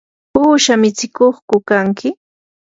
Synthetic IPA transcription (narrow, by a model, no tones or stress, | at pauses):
huːʃamɪt͡sɪkoχkʊkaŋkɪ